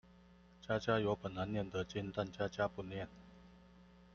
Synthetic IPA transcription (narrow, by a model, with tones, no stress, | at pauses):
t͡ɕja˥t͡ɕja˥jo˧˥ʊpə˨˩nna˨˦njɛ˥˩nd̪ə˨t͡ɕi˥nt̪a˥˨nt͡ɕja˥t͡ɕja˦pu˥˧njɛ˥˨n